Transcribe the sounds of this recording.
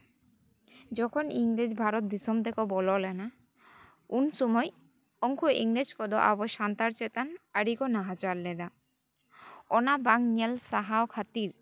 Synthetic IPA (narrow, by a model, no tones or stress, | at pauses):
d͡ʑɔkʰoniŋɾed͡ʑbʱaɾot̪̚d̪isomd̪ekobɔlolena | unsɔmɔj | ɔŋkʰoʔiŋɾed͡ʑkɔd̪oʔa̰boʃant̪aɾt͡ɕet̪anaɾikonaɦat͡ɕalːed̪a | ɔnabaŋɲelsaɦaokʰat̪iɾ